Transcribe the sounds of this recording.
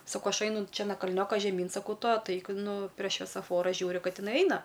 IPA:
sɐˈkɐʊ ˈɐʃ ˈɛɪnʊ ˈt͡ʃʲɛ nɐ kɐlʲˈnʲoːkɐ ʒʲɛˈmʲiːn sɐˈkɐʊ ˈtʊ ɐtˈɐɪk ˈnʊ pʲrʲiɛ ʃʲʋʲiɛsɐˈfoːrɐ ˈʒʲuːrʲʊ ˈkɐt ɪˈnɐɪ ˈɐɪnɐ

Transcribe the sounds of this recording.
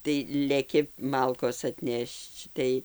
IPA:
tɐɪ lʲɛˈkʲɪ ˈmɐlˠkoːs ɐtʲˈnʲɛʃt͡ʃ ˈtɐɪ

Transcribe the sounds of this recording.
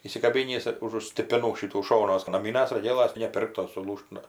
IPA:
iːsʲɪkɐˈbʲɪnʲiːs ʊʒʊ sʲtʲɪpʲɪˈnuː ˈʃʲɪtuː ˈʃoːnuɔs nɐˈmʲiːnɐs roːˈɡʲeːlˠɐs tɐɪ nʲɛ ˈpʲɪrktoːs sʊˈlˠuːʃt ˈnʊ

